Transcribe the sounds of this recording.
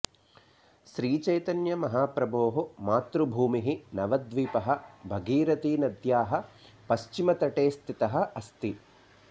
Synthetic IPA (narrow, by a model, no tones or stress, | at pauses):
ʃɾiːt͡ʃɐjt̪ɐnjɐmɐɦaːpɾɐboːɦomaːt̪ɾubʱuːmiɦinɐʋɐd̪ʋiːpɐɦɐbʱɐɡiːɾɐt̪iːnɐd̪jaːɦɐ̆ | pɐʃt͡ʃimɐt̪ɐʈeːst̪ʰit̪ɐɦɐɐst̪i